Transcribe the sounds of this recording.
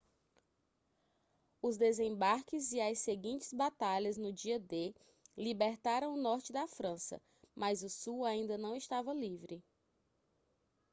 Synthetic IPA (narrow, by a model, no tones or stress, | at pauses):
ʊzd̪ezẽbaɾkɪziɐseɡĩnt͡ʃɪ̥zbat̪aʎɐznʊd͡ʒiɐd̪e | libeɾt̪aɾɐ̃w̃ʊnɔɾt͡ʃɪd̪ɐfɾɐ̃sɐ̰ | mazʊsuwaĩnd̪ɐnɐ̃w̃iʃt̪avɐlivɾɪ